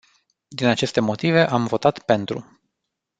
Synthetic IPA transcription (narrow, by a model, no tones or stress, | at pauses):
d̪inat͡ʃe̞st̪e̞mo̞t̪ive̞ʔamvo̞t̪at̪pe̞nt̪ɾṵ